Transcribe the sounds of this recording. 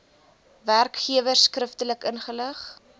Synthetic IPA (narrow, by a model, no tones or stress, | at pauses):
værkχiəvərskrəftələkənχələχ